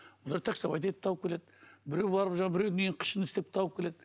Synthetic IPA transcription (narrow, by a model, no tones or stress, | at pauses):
wolˠɑɾt̪ʰæksɑbɑ̰jt̪et̪ɪ̥p̚t̪ʰɑwəp̚kʲʰeled̪bɪɾewbɑɾəpʒɑɴɑbɪɾemeɡeɴqʰə̥ʃənɪst̪ep̚t̪ʰɑwəpkʲʰːe̞le̞d̪